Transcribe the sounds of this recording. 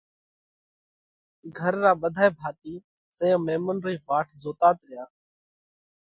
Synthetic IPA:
ɡʱəɾːaːɓəd̪ʱaːebʱaːt̪iː | sẽːãːmeːmənɾiːʋaːʈʰzoːt̪aːt̪ɾɪjaː

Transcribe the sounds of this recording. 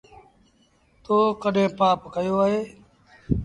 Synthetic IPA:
t̪oːkəɗẽːpaːpkəjoːaːɦeː

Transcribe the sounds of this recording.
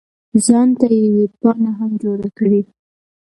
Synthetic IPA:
zɑnt̪ajewepɑnaɦamd͡ʒoɽakɽi

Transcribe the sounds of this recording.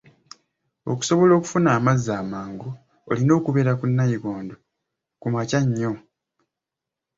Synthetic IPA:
o̞̰ku̥so̞βo̞lo̞ːku̥funaːmazːaːmaːŋɡu | o̰lino̞ːkuβe̞ɾakunːajiɡoːndo | kumacaɲːo̞

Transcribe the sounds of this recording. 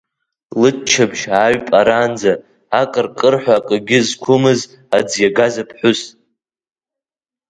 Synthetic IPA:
lɨt͡ʃʰabʒaɥpʼaɾaːnd͡za | akʼərkʼɨrħʷᶣaːkʼɨɡʲɪzkʷʰʊmɨz | ad͡zjaɡazapʰħʷʊs

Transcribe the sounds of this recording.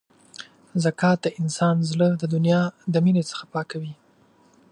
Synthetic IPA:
zakɑt̪̚d̪əʔɪnsɑnzləd̪əd̪ʊnjɑd̪əminet͡sə̥xḁpɑkawi

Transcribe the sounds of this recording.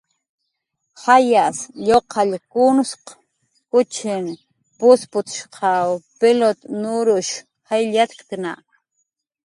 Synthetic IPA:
hajasʎoqʰɑʎkunʊsq | kʊt͡ʃʰɪn | pʊspʊt͡s̪ʃqʰɑwpelot̪nʊɾʊʃ | xajʎat̪kt̪ɪna̰ʔ

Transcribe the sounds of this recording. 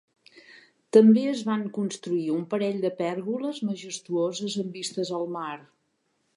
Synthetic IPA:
t̪əmbeəzβaŋkunst̪ɾuiumpəɾɛʎd̪əpɛɾɣuləzməʒəst̪uozəzəmbist̪əzəlˠmaɾ

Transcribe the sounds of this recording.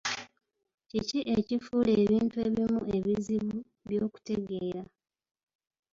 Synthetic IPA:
ciciʔe̞cifuːle̞ːβiːntue̞ːβimue̞βiziβu | βjoːku̥te̞ɡe̞ːɾa

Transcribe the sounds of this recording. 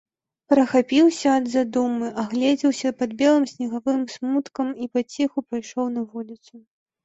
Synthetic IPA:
pɾɐxapʲiwsʲɐɐd̪zad̪umɨʔaɣlʲɛd͡zʲɛwsʲɐpad̪bʲɛlˠɨmsʲnʲɐɣavɨmsmut̪kɐmipat͡sʲɛxupɾajʂɔwnɐvɔlʲit̪su

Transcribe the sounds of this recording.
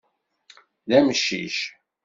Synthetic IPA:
læməʃːḭʃ

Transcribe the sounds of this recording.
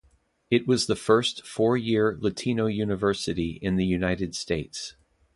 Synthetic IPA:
ɨt̚wʌzðəfɜ˞stfɔɹjɪɹlɨtʰĩnoʊjʉnɨvɜ˞sɨɾiʔɪ̃nðɨjʉnaɪɾɨd̥steɪts

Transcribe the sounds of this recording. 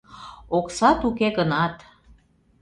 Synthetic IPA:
oksɑt̪ukeɣənɑt̪

